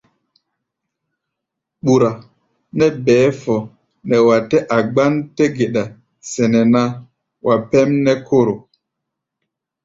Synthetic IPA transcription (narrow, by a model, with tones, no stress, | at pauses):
ɓu˨ɾa˨ | nɛ˦bɛː˨˦fɔ˨ | nɛ˨wa˨tɛ˦ʔa˨ɡ͡ba˦ntɛ˦ɡe˨ɗa˨ | sɛ˨nɛ˨na˦ | wʔa˨pɛ˦mnɛ˦kʰo˦ɾo˨